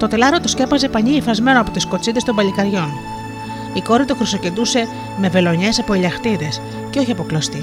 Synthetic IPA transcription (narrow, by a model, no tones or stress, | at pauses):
t̪o̞t̪elɐɾo̞t̪osce̞pɐze̞pɐɲiːfɐzme̞noɐpo̞t̪iskot͡siðest̪o̞mbɐʎikɐɾʝo̞n | iko̞ɾit̪oxɾiso̞ce̞d̪use̞ | me̞ve̞lo̞ɲe̞sɐpo̞elʎɐxt̪iðe̞s | ce̞o̞çiɐpo̞klost̪i